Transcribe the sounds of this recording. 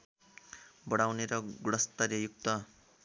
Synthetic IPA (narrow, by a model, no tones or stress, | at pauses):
bʌɽawneɾʌɡuɽʌst̪ʌrjʌjuk̚t̪ʌ